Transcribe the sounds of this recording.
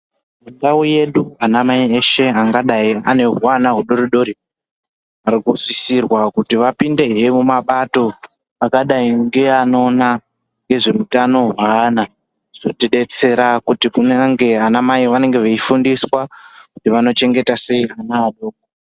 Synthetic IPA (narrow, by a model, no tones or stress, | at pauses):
mundauje̞ɗuanamaieʃe̞aŋɡaɗaia̰ne̞ɦuwanaɦuɗo̞ɾiɗo̞ɾi | aɾikusisirwakutiʋapinde̞ɦijemumaɓato̞ | akaɗaiŋɡe̞ano̞na | ŋɡe̞ʐe̞utano̞ɦwana | ʐ̥otiɗe̞t͡se̞ɾakutikuneŋɡe̞anamaiʋane̞ŋɡe̞ʋeifundiswakutiʋano̞t͡ʃe̞ŋɡe̞tase̞ianaːɗoːko